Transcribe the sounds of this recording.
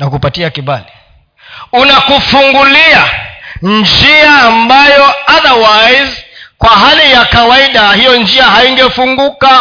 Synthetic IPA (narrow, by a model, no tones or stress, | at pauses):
nakupatiakiɓali | unakufuŋɡuliand͡ʒiaːmbajɔaðawajzkwaɦalijakawaiɗahijɔnd͡ʒiaɦaiŋɡɛfuŋɡuka